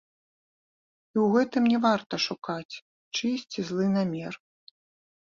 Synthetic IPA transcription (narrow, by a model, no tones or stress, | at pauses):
iwɣɛt̪ɨmnʲɛvart̪ɐʂukat͡sʲ | t͡ʂɨsʲt͡sʲizlˠɨnamʲɛr